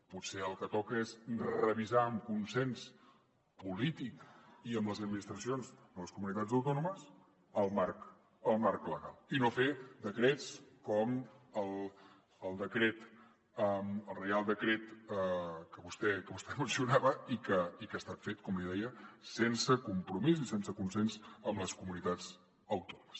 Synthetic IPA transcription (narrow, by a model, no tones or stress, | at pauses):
putseəlˠkət̪ɔkəezrəβizaəmkunsɛns | pulit̪ikiəmləzəd̪̚minist̪ɾəsionzd̪ələskumunit̪ad͡zəwt̪ɔnuməz | əlˠmark | əlˠmaɾkləɣalˠinofed̪əkɾet͡skɔməlˠ | əlˠd̪əkɾet̪ | əməlˠrealˠd̪əkɾet̪əkəβust̪ɛkəβust̪ɛmənsiunaβəikəikəːst̪at̪fet̪kɔmliðɛjəsensəkumpɾumizisensəkunsenzəmləskumunit̪ad͡z | əwt̪ɔnuməs